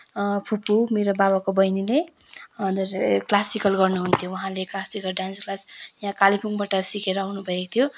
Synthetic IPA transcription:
pʰupumeɾobabakobʌjnile | ʌd̪ʌrklasikʌlɡʌrnuɦunt̪ʰjowʌɦãleklasikʌlɖãnsklasjãkalipʰuŋbaʈʌsikeɾʌawnubʱʌekot̪ʰjo

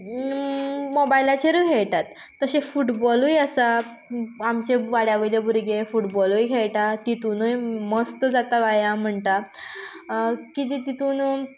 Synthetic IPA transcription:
mobailat͡ɕeɾukʰeɭʈ̪at̪ːəɕefuʈbɔlujəsa | amt͡ɕeʋaɽjaʋəjljebʱuɾɡefuʈbɔlujkʰeɭʈat̪it̪uːnujməst̪d͡zat̪aʋajãm̤əɳt̪a | kit̪̬it̪it̪uːn

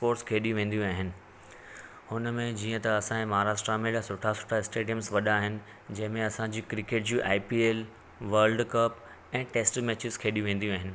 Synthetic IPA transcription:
poːɾʈskʰeːɗjũʋẽːn̆d̪ijũaːɦɪnɪ̆ | hʊnmẽd͡ʑiːə̃t̪ɐɐsãẽmɐɦaːɾaːʃʈɾamẽlasʊʈʰasʊ̥ʈʰaɪsʈeːɖijə̃msʋɐɗaaːɦɪnɪ̆ | d͡ʑɐ̃ɦɪ̃mẽɐsãɲd͡ʑiːkɾɪkeːʈ̚d͡ʑũːʔaːipiːeːl | ʋɐɾlɖkɐp | ɛ̃ːʈeːsʈmɛːt͡ɕɪzkʰeːɗijũʋẽːn̆d̪ijũaːɦɪnɪ̆

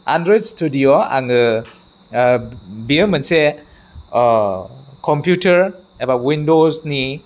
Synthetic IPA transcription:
a̰ndɾɔjdstudioa̰ŋɯ | bimɐnse | kʰɔmpʰjutʰɐɾ | ebawindozni

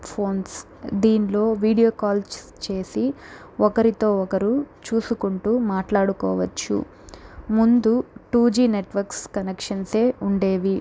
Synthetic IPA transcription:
pʰo̞ːns | d̪iːnlo̞ːʋiːɽijoːkaːls | t͡ʃe̞ːsi | ɔkɐɾit̪o̞ːɔkɐɾut͡ʃuːsukuɳʈuːmaːʈlaːɽukɔ̰ːʋɐt͡ʃːṵ | mund̪uʈuːd͡ʒiːneʈʋɐɾkskɐnekʂɐnse̞ːʔuɳɖe̞ːʋi

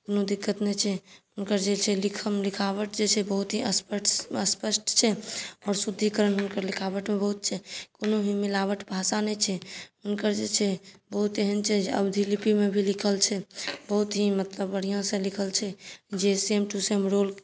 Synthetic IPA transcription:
konod̪ikːət̪nɛt͡ʃʰɛʊnkəɾd͡ʒet͡ʃʰɛlikʰəmlikʰaβəʈd͡ʒet͡ʃʰɛbəɦut̪ɦiəspəəspəsʈt͡ʃʰɛɔːɾsud̪ʱːikəɾənɦunkəɾlikʰaʋəʈmẽbəɦut̪̚t͡ʃʰɛkonoɦimilaʋəʈbʱasanɛt͡ʃʰɛʊnkəɾd͡ʒet͡ʃʰɛbəɦut̪jeɦənt͡ʃʰɛd͡ʒəbd̪ʱilipimẽbʱilikʰəlt͡ʃʰɛbəɦut̪ɦimət̪ləbːəɽ̤ijõsẽlikʰəlt͡ʃʰɛd͡ʒesemʈusemɾol

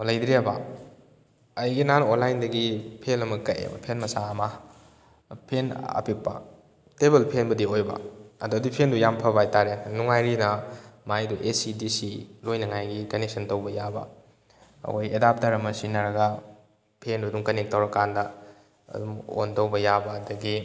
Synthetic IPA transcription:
lɐjdɾebɐ̰ | ɐjɡinanonlajndɐɡipʰelɐmɐkɐjḛbɐ̰pʰenmɐsaɐmɐ | pʰena̰pipːɐ̰ | tebelpʰenbɐdiojbɐ̰ɐduɐdipʰendujampʰɐbajtaɾenuŋajɾinɐmajduʔesidisilojnɐŋajɡikɐneksɐntɐwbɐjabɐ̰ | ɐ̰kʰojedap̚taɾɐmɐsinɐɾɐɡɐ | pʰenduduŋkɐnek̚tɐwɾɐkandɐ | ɐ̰duŋo̰ntɐwbɐjabɐːdɐɡi

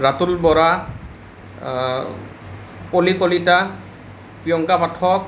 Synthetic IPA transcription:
ɹatulbɔɹa | polikolita | pijɔŋkapatʰɔk̚

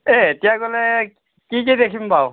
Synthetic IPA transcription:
eetijaɡolɛ | kikedekʰimbaʊ

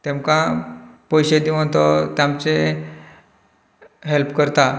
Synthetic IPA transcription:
t̪emkãpojɕed̪imə̃t̪ɔt̪jamt͡se | ɦelpkəɾt̪a

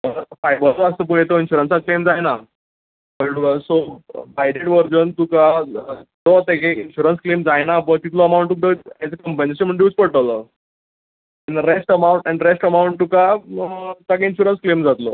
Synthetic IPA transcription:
əfajbəɾt͡soasəp̬uɦet̪oinɕuɾənsãklemd͡zajna | pəɾsobajɖeʈʋəɾd͡zənt̪uka | d̪ot̪ekeinɕuɾənsklemd͡zajnapət̪it̪lɔəmaũɳʈ̪uk̚d̪əɛt͡səkəmpə̃ɲet͡ɕəm̤əɳʈ̪iuːt͡spəɽʈələ | aniɾesʈəmauɳʈɛnɾesʈəmawuɳʈ̚t̪uka | t̪akeinɕuɾənsklemd͡zat̪lo̰

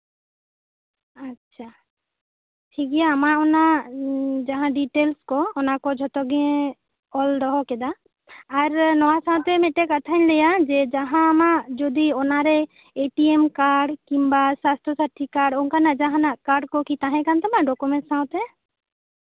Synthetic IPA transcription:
atːt͡ʃʰa | ʈʰikɛjaːmaɔna | d͡ʒaɦãɖiʈelskɔɔnakɔd͡ʒʱɔt̪ɔɡɛ̃ | ɔld̪ɔɦɔkɛd̪aː | ɾnɔwasãw̃t̪ɛmɛʈɛkat̪ʰaɲlɛjad͡ʒɛd͡ʒaɦãːmad͡ʒod̪iɔnaɾɛ | eʈiemkaɾɖkimbasast̪ɔsaʈʰikaɾɖɔŋkanad͡ʒaɦãnakaɾɖkɔkit̪ãɦɛ̃kant̪ɔmaɖɔkumɛ̃ɳʈsãwt̪ɛ

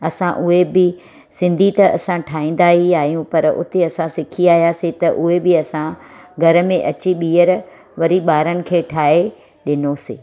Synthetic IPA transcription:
ɐsãʔʊɦebɪ | sɪ̃nd̪ʱit̪ɐɐ̰sãʈʰaːɦĩːn̆d̪aːɦiaːɦijũpɐɾʊ̰t̪eɐsãsɪkʰiaːɦijaset̪ɐʔʊɦebɪɐsãɡʱɐɾə̆mẽʔɐt͡ɕiɓiːəɾ | ʋɐɾiɓaːɾənɪ̆kʰeːʈʰaːɦe | ɗɪnoseː

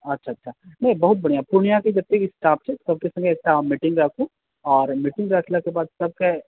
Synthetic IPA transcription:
ɐtːʃʰaːɐtːʃʰaːnɐ̃ɦĩbɐɦʊt̪̚bɐɽ̃ijapʊɾɳijãkid͡ʒɐb̚t̪ekisʈaːp̚t͡ʃʰesɐb̚kesɐ̃ŋɡeesʈaːmɪʈɪ̃ŋɡɾaːkʰu | ɔːɾmɪʈɪ̃ŋɡɾaːkʰlakebaːd̪sɐb̚ke

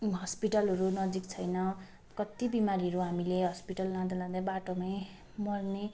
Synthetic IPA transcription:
ɦʌspiʈʌlɦʌɾunʌd͡zikt͡sʰʌjnʌ | kʌt̪ibimaɾiʌɾuɦamileɦʌspiʈʌlːãd̪alãd̪ajbaʈomaj | mʌrne

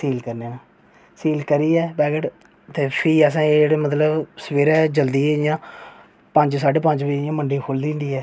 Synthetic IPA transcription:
siːlkəɾneːnãː | siːlkəɾiːɛːbɛːɡəʈ | t̪eːpʰiːəs̬ãːeeːɽeːmət̪ləbsəʋeːɾɛːd͡ʒəld̪iːɛːɪjãː | pə̃ɲd͡ʒsaːɖeːpə̃ɲd͡ʒʋiːjãːməɳɖiːkʰoːld̪ĩːnd̪iːɛː

